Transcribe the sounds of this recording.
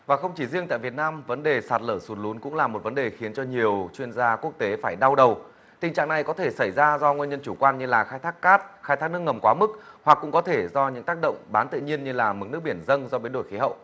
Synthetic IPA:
vaː˨˩xə˧wŋ͡mt͡ɕi˧˩zi˧əŋt̪a̰ː˧˨vət̚naː˧mvə˨˦nɗe˨˩saː˨˩t̚ləː˧˩su˨˦n̚lu˨˦nkʊ̰˧˥ŋ͡mlaː˨˩mo˨˩t̚və˨˦nɗe˨˩xi˨˦ənt͡ɕɔ˧ɲi˨˩əwt͡ɕwi˧ənzaː˧ku˦˥ək̚t̪e˨˦faː˧˩jɗa˧wɗə˨˩w | t̪ï˨˩ŋ̟t͡ɕa̰ː˧˨ŋna˨˩jkɔ˨˦t̪ʰe˧˩sa˧˩jzaː˧zɔ˧ŋwnɲə˧nt͡ɕu˧˩kwaː˧nɲɨ˧laː˨˩xaː˧jt̪ʰaː˦˥kːaː˦˥t̚xaː˧jt̪aː˦˥k̚nɨ˦˥əŋə˨˩mkwaː˨˦mɨ˦˥k̚hwa˨˩kːʊ̰˧˥ŋ͡mkɔ˨˦t̪ʰe˧˩zɔ˧ɲɨ̰˧˥ŋt̪aː˦˥k̚ɗə̰˧˨wŋ͡mɓaː˨˦nt̪ɨ̰˧˨ɲi˧ənɲɨ˧laː˨˩mɨ˨˥k̚nɨ˦˥ək̚ɓi˧˩ənzə˧nzɔ˧ɓi˨˦ənɗo˧˩jxi˨˦ɦə̰˧˨wʔ

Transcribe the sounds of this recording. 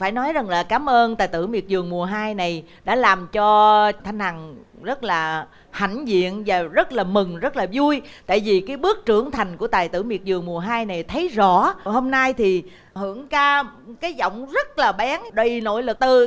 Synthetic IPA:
faː˧˩jnɔ˨˦jza˨˩ŋlaː˨˩kaː˨˦mʔəː˧nt̪aː˨˩jt̪ɨ̰˧˩mi˨˩ət̚zɨ˨˩əŋmu˨˩əɦaː˧jna˨˩j | ɗa̰ː˧˥laː˨˩mt͡ɕɔ˧t̪ʰa˧jŋ̟ha˨˩ŋ | zə˦˥t̚laː˨˩ | ha˧˩jŋ̟zḭ˧˨ənvaː˨˩zə˦˥t̚laː˨˩mɨ˨˩ŋzə˦˥t̚laː˨˩zu˧əjt̪a̰ː˧˨jvi˨˩kaː˨˦jɓɨ˦˥ək̚t͡ɕɨ˧˩əŋt̪ʰa˨˩jŋ̟ku˧˩ət̪aː˨˩jt̪ɨ̰˧˩mḭ˨˩ət̚zɨ˨˩əŋmu˨˩əɦaː˧jna˨˩jt̪ʰə˨˦jzɔ̰˧˥ho˧mna˧jt̪ʰi˨˩ | hɨ˧˩əŋkaː˧kaː˨˦jzɔ̰˧˨wŋ͡mzə˦˥t̚laː˨˩ɓaː˨˦ŋɗə˨˩no̰˧˥˨jlɨ˨˩k̚t̪ɨ˨˩

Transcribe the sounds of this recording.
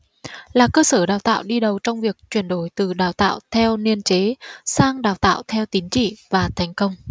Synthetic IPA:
laː˨˩kəː˧səː˧˩ɗaː˨˩wt̪a̰ː˧˨wɗi˧ɗə˨˩wt͡ɕɔ˧wŋ͡mvi˨˩ək̚t͡ɕwi˧˩ənɗo˧˩jt̪ɨ˨˩ɗaː˨˩wt̪a̰ː˧˨wt̪ʰɛ˧wni˧ənt͡ɕe˨˦saː˧ŋɗaː˨˩wt̪a̰ː˧˨wt̪ʰɛ˧wt̪i˨˦nt͡ɕḭ˧˨vaː˨˩t̪ʰɛ˨˩jŋ̟kə˧wŋ͡m

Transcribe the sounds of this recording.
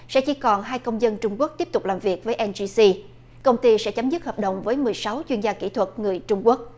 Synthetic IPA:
sɛ̰˧˥t͡ɕi˧˩kɔ˨˩nɦaː˧jkə˧wŋ͡mzə˧nt͡ɕʊ˧ŋ͡mku˦˥ək̚t̪i˦˥əp̚t̪ʊ˨˩k͡p̚laː˨˩mvi˨˩ək̚vəː˨˦jʔɛ˧nzi˧si˧ | kə˧wŋ͡mt̪i˧sɛ̰˧˥t͡ɕa˨˦mzɨ˦˥t̚həː˨˩ɗə̰˨wŋ͡mvəː˨˦jmɨ˨˩əjsa˨˦wt͡ɕwi˧ənzaː˧kḭ˧˩t̪ʰwə˨˩t̚ŋɨ˨˩əjt͡ɕʊ˧ŋ͡mku˦˥ək̚

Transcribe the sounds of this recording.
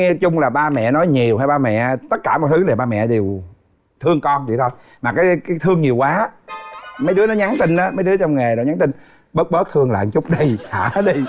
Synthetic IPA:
ŋɛ˧t͡ɕʊ˧ŋ͡mlaː˨˩ɓaː˧mɛ̰˧˨nɔ˨˦jɲi˨˩əwha˧jɓaː˧mɛ̰˧˨t̪ə˦˥t̚kaː˧˩mɔ̰˨jt̪ʰɨ˨˦le˨˩ɓaː˧mɛ̰˧˨ɗe˨˩w | t̪ʰɨ˧əŋkɔ˧nt͡ɕḭ˧˨˩t̪ʰo˧j | maː˨˩kaː˨˦jkaː˨˦jt̪ʰɨ˧əŋɲi˨˩əwkwaː˨˦ | mə˨˦jɗɨ˦ənɔ˨˦ɲa˨˦nt̪ï˧ŋʔaː˨˦mə˨˦jɗɨ˨˦ət͡ɕɔ˧wŋ͡mŋe˨˩ɗɔ˨˩˦ɲaː˨˦nt̪i˧ŋ | ɓə˦˥t̚ɓə˦˥t̚t̪ʰɨ˧əŋla̰ː˧˨ŋt͡ɕʊ˦˥k͡p̚ɗi˧jha̰ː˧˩˦ɗi˧

